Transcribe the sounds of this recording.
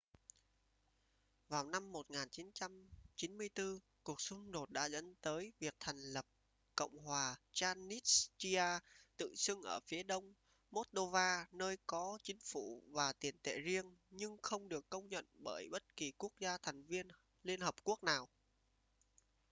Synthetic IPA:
vaː˨˩wna˧mːo˨˩t̚ŋaː˨˩nt͡ɕi˨˦nt͡ɕa˧mt͡ɕi˨˦nmɨ˧əjt̪ɨ˧ | ku˨˩ək̚sʊ˧ŋ͡mɗo˨˩t̚ɗa̰ː˧˥zə̰˧˥nt̪əː˨˦jvi˨˩ək̚t̪ʰɛ˨˩jŋ̟lə˨˩p̚ | kə̰˧˨wŋ͡mhwaː˨˩t͡ɕaː˧ni˦˥t̚t͡ɕi˧aː˧t̪ɨ̰˧˨sɨ˧ŋʔəː˧˩fi˨˦əɗə˧wŋ͡m | mo˦˥t̚ɗo˧vaː˧nəː˧jkɔ˨˦t͡ɕï˨˦ŋ̟fu˧˩vaː˨˩t̪i˨˩ənt̪ḛ˧˨zi˧ənɲɨ˧ŋxə˧wŋ͡mɗɨ˨˩əkːə˧wŋ͡mɲə̰˧˨nɓəː˧˩jɓə˦˥t̚ki˨˩ku˦˥ək̚zaː˧t̪ʰɛ˨˩jŋ̟vi˧ən | li˧ənhəː˨˩p̚ku˦˥ək̚naː˨˩w

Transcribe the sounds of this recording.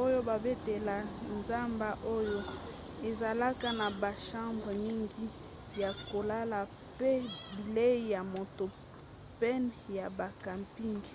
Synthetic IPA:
o˦jo˦ba˨be˦te˨la˨nza˦mba˦ʔo˦jo˦ | e˨za˨la˦ka˦na˨ba˨ʃã˦mbʁə˨mi˦ŋɡi˦ | ja˨ko˨la˦la˨ | pe˦bi˨le˦ja˨mo˨to˨ | pɛ˦nja˨ba˨ka˨mpi˦ŋɡ

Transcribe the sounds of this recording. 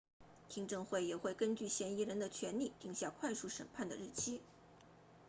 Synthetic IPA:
t̪ʰi˥ŋʈ͡ʂɤ˥˧ŋxwe˥˩ɪjɛ˨˩xwe˥˩ɪkə˥nt͡ɕy˥˩ɕjɛ˧˥ni˧˥ɻə˧˥nd̪ə˧t͡ɕʰɥɛ˧˥nli˥˩t̪i˧˥ŋɕja˥˧kʰwa˥˧ɪʂu˥˩ʂə̰˨˩npʰa˥˩nd̪ə˩ɻ̩˥˩t͡ɕʰi˥

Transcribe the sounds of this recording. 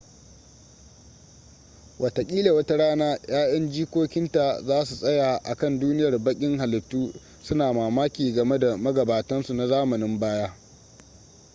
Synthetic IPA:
wʔɐ˨tɐ˨kʲʼiː˦le˨wɐ˦ta˦ɽaː˦naː˦j̰aː˦jɐ˦nd͡ʒiː˦kʷoː˦kʲɪ˦nta˨zaː˦su˨sʼɐ˦jaː˨ʔa̰˨kɐ˦˨nduː˦nɪ˦jɐ˨rbɐ˦kʲʼɪ˦ŋɦa˨lɪ˨tːuː˦ | sʊ˦naː˨maː˨maː˦kʲiː˨ɡɐ˨me˦da˨mɐ˦ɡɐ˨baː˨tɐ˦nsu˨na˨zaː˦mɐ˨nɪ˦mbaː˦jaː˦

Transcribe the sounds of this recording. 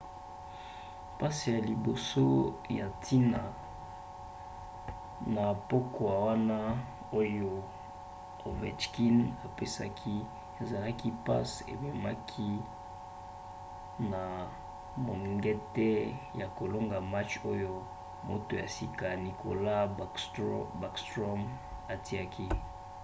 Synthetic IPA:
pa˦si˨ja˨li˨bo˨so˦ja˨tʰi˦na˨ | na˨po˦ko˨a˨wa˦na˦ | o˦jo˦ | o˨vɛ˨t͡ʃki˦na˨pe˦sa̰˦kʰi˦ | e˨za˨la˦ki˦pa̰˦sḛ˨be˨ma˦kʰi˦ | na˨ | mo˨ŋŋɡɛ˦tɛ˦ja˨ko˨lo˦ŋɡa˨ma˦t͡ʃo˦jo˦ | mo˨to˨ja˨si˨ka˨ni˨kʰo̰˨la˦˨˦ba˨kstʁo˦m | a˨ti˦a˦kʰi˦

